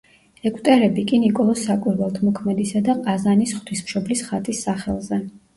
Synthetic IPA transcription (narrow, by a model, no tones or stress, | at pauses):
ɛkʼt̪ʼɛɾɛbikʼinikʼɔlˠɔsːakʼuɾvɛlˠt̪ʰmɔkʰmɛd̪isad̪aqʼazanisχt̪ʰismʃɔblisχat̪ʼisːaχɛ̰lˠzɛ